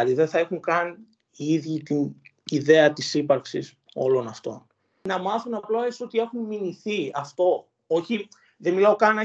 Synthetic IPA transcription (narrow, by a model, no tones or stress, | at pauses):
ɐt̪iðenθɐexuŋkɐn | iiðʝit̪iniðe̞ɐt̪isipɐɾksis | o̞̰lo̞nɐft̪o̞̰n | nɐmɐθunɐploesot̪ie̞xunminiθiɐft̪o̞ | oçi | ðenmilɐokɐnɐ